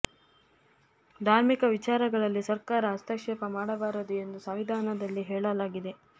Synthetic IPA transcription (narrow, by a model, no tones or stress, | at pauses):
d̪ʱaːɾmikɐʋit͡ʃaːɾɐɡɐɭɐlːisɐɾkaːɾɐɦɐst̪ɐkʂɛpɐmaːɽɐbaːɾɐd̪ue̞nd̪usɐʋid̪ʱaːnɐd̪ɐlːiɦɛːɭɐlaːɡid̪e̞